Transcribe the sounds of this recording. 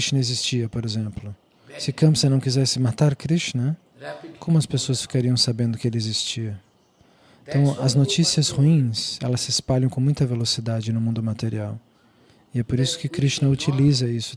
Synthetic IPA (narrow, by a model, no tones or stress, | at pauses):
ɾiʃt͡ʃnɐezist͡ʃiɐpoɾezẽmplʊ | sɪkɐ̃mpsɐnɐ̃w̃kizɛsɪmat̪aɾkɾiʃnɐ | kʰõmʊɐspesoɐsfi̥kaɾiɐ̃w̃sabẽnd̪ʊkɪelɪezist͡ʃiɐ | ẽt̪ɐ̃w̃ɐznot͡ʃisiɐzhuĩsɛlɐssɪespaʎɐ̃w̃kõmũj̃t̪ɐvelosid̪ad͡ʒɪnʊmũnd̪ʊmat̪eɾiaw | ɪɛpoɾisʊ̥kɪkɾiʃt͡ʃnɐut͡ʃilizɐisʊ̥